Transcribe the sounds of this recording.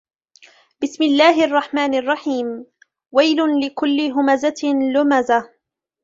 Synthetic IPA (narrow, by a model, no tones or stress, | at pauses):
bɪsmɪlːaːɦɪʔɑrˤːɑħmaːnʔɑrˤːɑħiːm | wajlʊlɪkʊlːɪɦʊmazalʊmaza